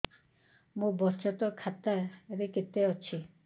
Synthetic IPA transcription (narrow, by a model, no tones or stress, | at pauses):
mubɔst͡ʃɔt̪ɔkʰat̪aɾiket̪ːeɔt͡ʃʰi